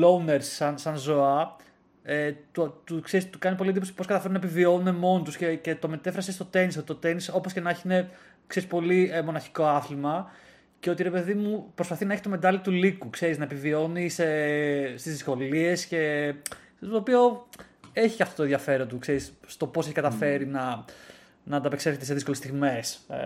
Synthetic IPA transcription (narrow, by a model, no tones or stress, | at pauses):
louneɾsɐnsɐnzo̞ɐ | et̪ot̪ukse̞ɾist̪ukɐnipo̞lieniposi̥po̞skɐt̪ɐfe̞ɾunɐepivio̞nune̞mo̞not̪uscece̞t̪o̞me̞t̪e̞fɾɐsest̪o̞t̪e̞nis̬ot̪it̪ot̪e̞niso̞po̞sce̞nɐeçiine̞ | kse̞ɾispo̞limonɐçi̥ko̞ɐθlimɐ | ceo̞t̪iɾe̞pe̞ðimupɾo̞spɐθinɐeçi̥t̪ome̞d̪ɐlit̪ulikukse̞ɾiznɐepivio̞nisest̪izðisko̞lie̞sce̞ | t̪oːpio̞ | e̞çi̥cɐft̪ot̪oðʝɐfe̞ɾont̪ukse̞ɾisːt̪o̞pose̞çikɐt̪ɐfe̞ɾinɐ | nɐnɐpe̞kseɾçet̪eseðisko̞lest̪iɣme̞s